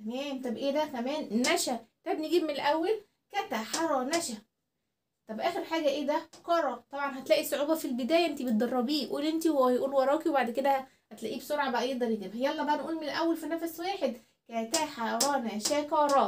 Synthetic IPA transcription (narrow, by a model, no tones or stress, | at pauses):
t̪æmæːmt̪ˤɑbʔeːd̪ækæmæːnːæʃæt̪æbneɡiːbmenelʔæwːæl | kæt̪æħɑɾˤɑnæʃæ | t̪ˤɑbʔæːxeɾħaːɡæʔeːd̪ækɑɾˤɑt̪ˤɑbʕɑnɦæt̪læːʔisoʕuːbæfilbed̪æːjæʔent̪ibet̪̚d̪ˤɑrˤːɑbiːʔuːlʔent̪iwjʔuːlwɑɾˤɑːkiwebaʕd̪ked̪æ | hæt̪læʔiːbsoɾʕɑbæʔjeɡd̪ɑɾˤjeɡibhejːæælːɑːbæneʔuːlmenelʔæwːælfinæfswæːħed̪ | kæt̪æħɑɾˤɑːnæʃækɑɾˤɑ